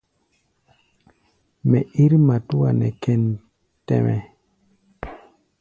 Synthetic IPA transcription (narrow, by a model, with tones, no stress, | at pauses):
me˨ʔi˦ɾma˨tu˦wa˨nḛ˨kɛ˨n | tḛ˦me˨